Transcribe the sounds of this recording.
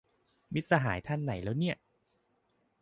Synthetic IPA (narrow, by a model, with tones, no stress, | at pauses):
mi˦˥t̪̚sa˧ɦaː˩˦jt̪ʰa˧nːa˩˦jlɛː˦˥wni˥˩ɐ